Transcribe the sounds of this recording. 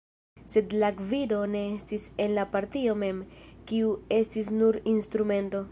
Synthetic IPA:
se̞dlaɡvido̞ne̞estise̞nlapaɾtio̞me̞mkiue̞stis̬nuɾinstɾume̞nto̞

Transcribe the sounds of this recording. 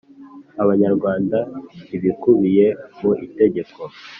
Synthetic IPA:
aβaɲaɾɡwaːndaiβikuβije̞muʔite̞ɟe̞ko̞

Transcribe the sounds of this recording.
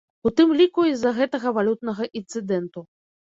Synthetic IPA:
ut̪ɨmlʲikuizɐɣɛt̪ɐɣɐvalʲut̪̚nɐɣɐʔint̪sɨd̪ɛnt̪u

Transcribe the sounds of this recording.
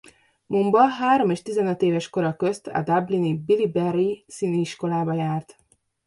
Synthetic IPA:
mumbɒɦaːɾo̞meːʃt̪izɛnøt̪eːvɛʃko̞ɾɒkø̞st̪ʰɒ̰d̪ablinibilibɛrisiniiʃko̞laːbɒjaːrt̪

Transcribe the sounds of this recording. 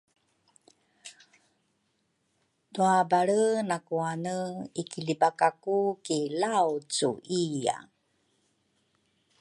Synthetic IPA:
duabaɭənakuanəikilibakakukilawt͡sṵʔija̰

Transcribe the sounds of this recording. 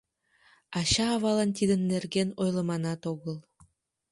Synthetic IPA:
ɑɕɑːβɑlɑnt̪ʲid̪ə̆nːerɡenojlˠɤmɑnɑt̪oɣəlˠ

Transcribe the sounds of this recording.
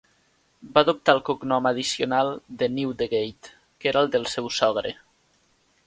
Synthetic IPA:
baðup̚t̪alˠkoɡnɔməðisionalˠd̪əniwd̪əɣejt̪ | keɾaəlˠd̪əlˠsɛwsɔɣ̞ɾə̰

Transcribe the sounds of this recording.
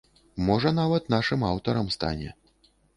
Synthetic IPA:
mɔʐɐnavɐt̪naʂɨmawt̪ɐɾɐmst̪a̰nʲɛ̰

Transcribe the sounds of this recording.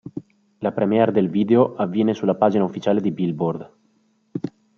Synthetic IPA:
lapɾɛmiɛrd̪elviːd̪eoʔavːjɛːnesulːapaːd͡ʒinaufːit͡ʃaːled̪ibilbord̪

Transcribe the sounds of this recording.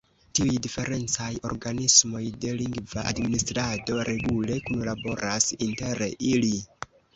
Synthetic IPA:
tiujdife̞ɾe̞nt͡sajo̞̰ɾɡanismo̞jde̞liŋɡvaʔa̰dministɾado̞ɾʔe̞ɡule̞kunlabo̞ɾasinte̞ɾili

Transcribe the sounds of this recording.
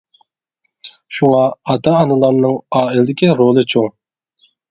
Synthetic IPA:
ʃuŋɑɑt̪ʰɑːnɨlˠɑmnɨŋɑːilɪd̪ɪkʲiɾolˠɨt͡ʃʰoŋ

